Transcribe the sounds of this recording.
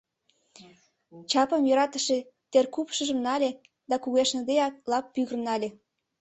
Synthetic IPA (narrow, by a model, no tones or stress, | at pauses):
t͡ɕɑpəmjø̆ɾɑt̪əʃe | t̪erkupʃəʒə̆mnɑlʲe | d̪ɑkuɣeʃnə̆d̪eɑk̚lɑpːyɣərnɑlʲe